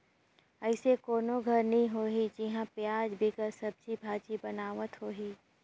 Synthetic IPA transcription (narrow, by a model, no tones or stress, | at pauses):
əɪsekoːnoɡʱɐɾnɐɦĩɦoːɦid͡ʒiɦãpjaːd͡ʒbʱikəɾsɐb̚d͡ʒibʱaːt͡ʃibɐnaːʋət̪ɦoːɦiː